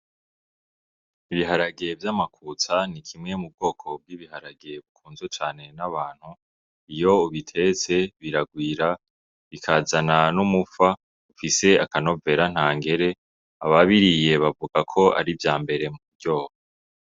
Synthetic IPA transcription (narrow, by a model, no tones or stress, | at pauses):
iβiɦaɾaɡe̞vjaːmakʰuːt͡sanikʰimŋe̞mub̚ɡo̞ːkʰo̞b̚ɡiːβihaɾaɡe̞βukʰuːnzut͡ʃaːne̞naβaːn̥hu | ijo̞uβitʰe̞t͡se̞βiɾaɡwiːɾa | βikʰazananumufa | ufise̞akano̞ve̞ɾan̥haːŋɡe̞ɾe̞ | a̰βaβiɾije̞βavuɡ̥akʰo̞a̰ɾivjaːmbe̞ɾe̞mubɟoːha